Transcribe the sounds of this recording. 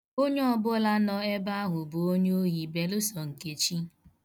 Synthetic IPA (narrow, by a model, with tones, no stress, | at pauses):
o˦ɲe˦ɔ˦bʊ˦la˦nɔ˦e˦ba˦a˦ɦʊ˨bʊ˨o˦ɲ˦o˦ɣi˨be˨lʊ˦sɔ˨ŋ̩˨ke˨t͡ʃi˦